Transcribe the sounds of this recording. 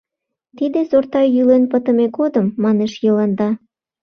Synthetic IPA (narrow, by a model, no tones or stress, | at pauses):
t̪id̪ezort̪ɑjjylenpət̪əmekod̪əmːɑneʃjələnd̪ɑ